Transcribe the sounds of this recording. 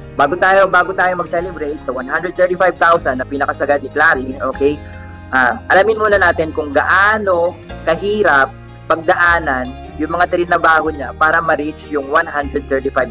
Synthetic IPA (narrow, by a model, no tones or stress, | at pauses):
baːɡot̪aːjobaːɡot̪aːjo̞mɐɡ̚sɛlɛbɾejt̪̚sɐwanhand̪ɾɛd̪̚t̪ɛɹt̪ɪfajb̚t̪awsɐnːɐpiːnɐkɐsɐɡad̪nɪklaːɾiʔoːkɛj | ʔaːʔɐlamɪnmuːnɐnaːt̪ɪnkʊŋɡɐ̰ʔaːno̞kɐɦiːɾɐp̚ː | ɐɡ̚d̪ɐʔaːnɐn | jʊŋmɐŋat̪ɪɾɪnɐbaːhoɲapaːɾɐmɐɾit͡ʃjʊŋwanɦand̪ɾɛd̪̚t̪ɛɹt̪ifajb̚